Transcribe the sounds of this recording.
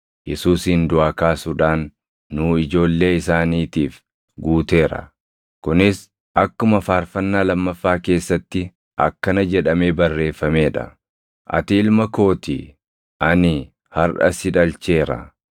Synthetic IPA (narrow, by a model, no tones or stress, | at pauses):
jɛsuːsɪnd̪ʊʔaːkaːsʊᶑaːnː | uːɪd͡ʒo̞ːlːe̞ːɪsaːniːt̪iːf | ɡuːt̪e̞ːɾɐ̰ | kʊnɪs | ʔɐkːʊmɐfaːɾfɐnːaːlɐmːɐfːaːke̞ːsːɐt̪ːɪ | ʔɐ̰kːɐnɐd͡ʒɛᶑɐme̞ːbɐrːe̞ːfːɐme̞ːᶑɐ̰ | ʔɐ̰t̪ɪɪlmɐko̞ːt̪ɪ̰ | ʔɐnɪ | hɐɾʔɐ̰sɪᶑɐlt͡ʃe̞ːɾɐ̰